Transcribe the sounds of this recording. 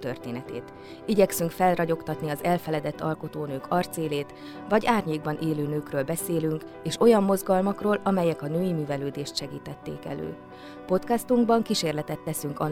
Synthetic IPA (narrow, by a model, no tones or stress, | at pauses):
t̪ørt̪eːnɛt̪ḛːt̪ | iɟɛksyŋkfɛlrɒɟo̞kt̪ɒt̪niɒzɛlfɛlɛd̪ɛt̪ːɒlkot̪oːnøːkʰɒrt̪seːleːt̪ | vɒɟaːrɲeːɡ̚bɒnʔeːløːnøːkrøːlbɛseːlyŋk | eːʃo̞jɒmːo̞zɡɒlmɒkroːlɒmɛjɛkɒnøːjimyːvɛløːd̪eːʃt̪ʃɛɡiːt̪ɛt̪ːḛːkɛ̰lø̰ː | po̞t̪kast̪uŋɡbɒŋkiʃeːrlɛt̪ɛt̪ːɛsyŋkɒ